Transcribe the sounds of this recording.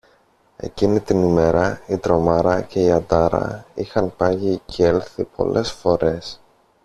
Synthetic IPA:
e̞̰cinit̪inime̞ɾɐit̪ɾo̞mɐɾɐce̞iɐd̪ɐɾɐ̰ixɐnpɐʝicelθipo̞̰lʔe̞sfo̞ɾe̞s

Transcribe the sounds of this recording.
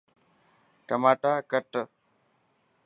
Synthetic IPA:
ʈəmaːʈaːkəʈ

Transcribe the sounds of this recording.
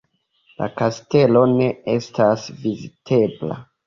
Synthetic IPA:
la̰kaste̞lo̞ne̞e̞stasvizitʰe̞bla̰

